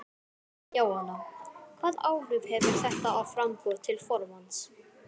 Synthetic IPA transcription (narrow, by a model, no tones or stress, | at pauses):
jaːwhanːakʰvaːðaːwrʏv̥hɛvʏɾ̥θɛht̪aːwfɾamkʏɾt̪ʰɪlfɔɾvant̪s